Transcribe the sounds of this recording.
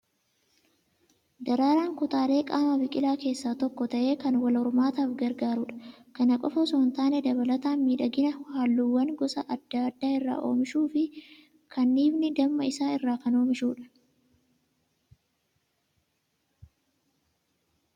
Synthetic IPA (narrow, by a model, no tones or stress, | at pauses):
d̪ɐɾaːɾaːŋkʊt̪aːle̞ːkʼaːmɐbɪkʼɪlaːke̞ːsːaːt̪ɔkːɔt̪ɐʔe̞ːkɐnwɐlɔɾʊmaːt̪aːfɡɐɾɡaːɾuːᶑɐ̥kɐnɐkʼɔfɐsɔːnt̪aːnɛd̪ɐβɐlɐt̪aːnmiːᶑɐɡɪnɐhaːlːuːwːɐŋɡɔsɐʔɐd̪̥ːaɐd̪ːaːɪrːa̰ːʔo̞̰ːmɪʃuːfɪ | kʰɐnːiːbnɪd̪ɐmmːɐɪsaːɪrːaːkɐno̞ːmɪʃuːᶑɐ̥